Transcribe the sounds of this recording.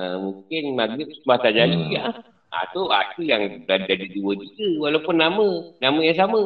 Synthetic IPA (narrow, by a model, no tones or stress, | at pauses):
əmuŋkɪnmaɡɪp̚səmbaht̪ad͡ʒalia | a̰t̪oa̰dəjaŋbadadiduəd͡ʒiɡəwalawpʊnːamənaməjaŋsamə